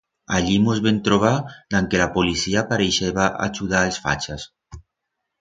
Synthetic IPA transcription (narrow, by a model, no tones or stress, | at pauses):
aʎimozβent̪ɾoβ̞ad̪̥aŋkelapolisiapaɾejʃeβaʔa̰t͡ʃuðaelsfa̰t͡ʃas